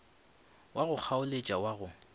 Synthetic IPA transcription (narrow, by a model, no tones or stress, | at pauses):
waɣʊk͡xʰaʊlet͡ʃʼawaɣʊ